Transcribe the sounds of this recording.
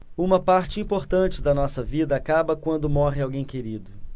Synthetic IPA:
ũmɐpaɾt͡ʃɪĩmpoɾt̪ɐ̃nt͡ʃɪd̪ɐnɔsɐvid̪ɐːkabɐkwɐ̃nd̪ʊmɔɦɪawɡẽj̃keɾid̪ʊ

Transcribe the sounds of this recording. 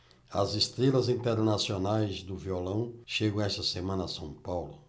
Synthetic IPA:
ɐ̰zest̪ɾelɐzĩnt̪eɾnasionajzd̪ʊviolɐ̃w̃ʃeɡɐ̃w̃ɛst̪ɐsemɐ̃nɐsɐ̃w̃pawlʊ

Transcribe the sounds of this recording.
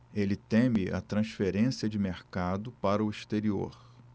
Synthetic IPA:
elɪt̪ẽmɪʔɐ̰t̪ɾɐ̃sfeɾẽsiɐd͡ʒɪmeɾkad̪ʊpaɾɐʊiʃt̪eɾio̰ɾ

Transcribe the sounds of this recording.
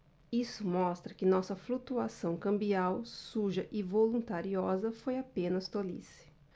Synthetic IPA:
isʊmɔst̪ɾɐkɪnɔsɐflut̪uasɐ̃w̃kɐ̃mbiawsuʒɐʔɪvolũnt̪aɾiɔzɐfojapẽnɐst̪olḭsɪ̥

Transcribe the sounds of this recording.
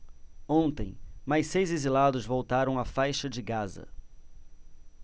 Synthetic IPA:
õnt̪ẽj̃majsejzezilad̪ʊzvowt̪aɾɐ̃w̃afajʃɐd͡ʒɪɡazɐ̰

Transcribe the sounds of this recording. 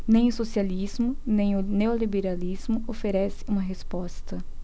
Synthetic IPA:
nẽj̃ʊsosializmʊnẽj̃ʊneolibeɾalizmʊofeɾɛsɪ̥ũmɐɦespɔst̪ɐ

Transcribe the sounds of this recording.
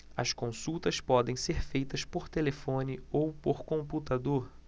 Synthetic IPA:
ɐ̰skõsuwt̪ɐspɔd̪ẽj̃seɾfejt̪ɐspoɾt̪elefõnɪowpoɾkõmput̪ad̪oɾ

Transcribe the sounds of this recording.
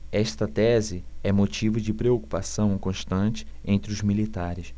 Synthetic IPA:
ɛʃt̪ɐt̪ɛzɪɛmot͡ʃivʊd͡ʒɪpɾeoku̥pasɐ̃w̃kõʃt̪ɐ̃t͡ʃɪ̥ẽnt̪ɾɪʊzmilit̪aɾɪs

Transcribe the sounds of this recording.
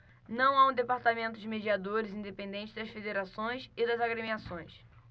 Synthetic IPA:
nɐ̃w̃aũd̪epaɾt̪amẽnt̪ʊd͡ʒɪmed͡ʒiad̪oɾɪzĩnd̪epẽnd̪ẽnt͡ʃɪzd̪ɐsfed̪eɾasõj̃sɪd̪ɐzaɡɾemiasõj̃s

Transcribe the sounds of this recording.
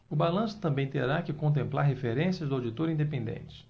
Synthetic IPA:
ʊbalɐ̃sʊ̥t̪ɐ̃mbẽj̃t̪eɾakɪkõnt̪̬ẽmplaɾɦefeɾẽsijɐzd̪ʊawd͡ʒit̪oɾĩd̪epẽnd̪ḛ̃nt͡ʃɪ̥

